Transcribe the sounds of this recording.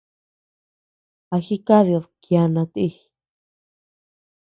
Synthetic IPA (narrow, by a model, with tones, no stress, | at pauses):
a˧xi˦ka˦ðjo˧ðkja˧nã˧t̪i˧